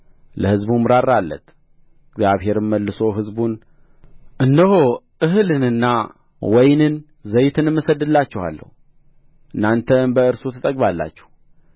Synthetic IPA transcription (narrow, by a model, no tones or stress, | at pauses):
ləhɨzbumːɨɾaɾːalːə̰t̪ | ɪɡzjaβhe̞ɾɨmmːəlːɨso̞ɦɨzbun | ʔɨnːəɦoʔɨɦɨlɨnɨnːa | wɔjnɨn | zəjt̪ʰɨnɨmːɨsəd̪ːɨlːat͡ʃːɛha̰lːə̰hu | ʔɨnːant̪ʰənbəɨɾsut̪ʰɨt̪ʼəɡ̚balːa̰t͡ʃːɛ̥hu